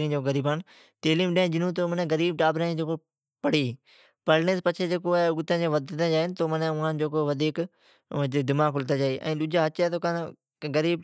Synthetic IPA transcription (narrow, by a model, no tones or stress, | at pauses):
ɾĩːd͡ʒoːɡəɾiːbaːn | t̪eːlĩːmɗẽːd͡ʒɪnũːt̪̬oːmənẽɡəɾiːb̚ʈaːbɾãːd͡ʒeːko | pəɽiː | pəɾneːspət͡ʃʰeːd͡ʒeːkoːɛʊɡt̪ə̃ːd͡ʒẽːʋəd̪t̪ãd͡ʒaːɪnt̪oːmənẽʊãnd͡ʒoːkoʋəd̪ʱiːkː | d̪ɪmaːkʰʊlt̪aːd͡ʒaːiːʔɛ̰̃ːɗ̪ʊd͡ʒaːɦət͡ʃaːt̪oːkan | ɡəɾiːb